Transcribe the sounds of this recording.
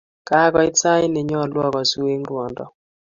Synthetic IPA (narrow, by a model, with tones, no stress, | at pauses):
ka˦ɡɔ˦ɪ˦t͡sa˦jnɪ˨ɲɔ˦˨lwɔ˦kɔ˨swe˦ŋɾwɔ˨ndɔ̰˨